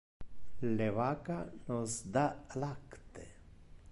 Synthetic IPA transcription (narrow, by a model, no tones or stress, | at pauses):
leβakanozd̪alakt̪e